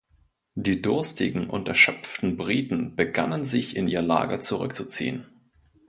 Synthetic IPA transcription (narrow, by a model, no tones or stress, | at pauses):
d̥iːdʊɐstɪɡŋ̩ʔʊ̰ntɛɐʃœpp͡ftn̩bʁiːtn̩b̥əɡanənzɪçɪnʔiːʁəla̰ːɡət͡suʁʏkt͡sut͡sḭːən